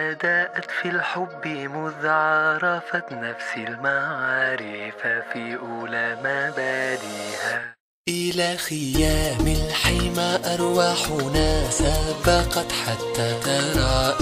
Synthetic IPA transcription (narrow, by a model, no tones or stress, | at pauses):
ʔad̪aːʔat̪filħʊbːmʊðʕɾˤɑfatnafsɪlmaʕɑːɾɪfafiːʔʊːlaːmabad̪iːʔa | ʔɪlaːxɪjaːmɪlħɪjmaʔɑɾˤwaːħʊnasabɑqɑt̪ħat̪ːaːt̪ɑɾˤɑːʔ